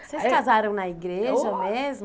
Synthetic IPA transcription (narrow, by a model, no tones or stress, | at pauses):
sejskazaɾɐ̃w̃nɐiɡɾeʒɐmezm